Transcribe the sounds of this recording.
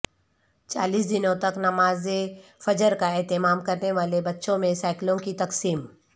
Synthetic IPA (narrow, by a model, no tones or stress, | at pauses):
t͡ʃa̰ːliːs̬d̪ɪnõt̪ɐknɐmaːzefɐd͡ʒəɾkaɛːt̪ɪmaːmkɐɾneʋaːlebɐtːʃõmẽsaːɪklõkit̪ɐksiːm